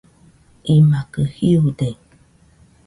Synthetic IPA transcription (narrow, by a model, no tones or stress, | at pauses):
imakəhiude